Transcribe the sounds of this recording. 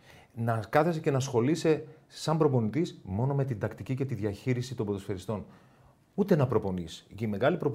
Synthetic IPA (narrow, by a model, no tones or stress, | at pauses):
nɐkɐθe̞sece̞nɐsxo̞lise̞ | sɐmbɾo̞po̞nit̪ismo̞no̞me̞t̪ind̪ɐkt̪icice̞t̪iðʝɐçiɾisit̪o̞mboðosfe̞ɾist̪o̞n | ut̪e̞nɐpɾo̞po̞nisime̞ɣɐlipɾo̞p